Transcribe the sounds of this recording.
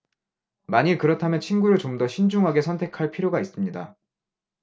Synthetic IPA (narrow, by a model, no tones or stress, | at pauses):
maɲikɯɾʌtʰamjʌnt͡ɕʰinɡuɾɯɭt͡ɕomdʌɕʰind͡ʑuŋɦaɡe̞sʰʌntʰe̞kʰaɭpʰiɾjoɡais͈ɯmɲida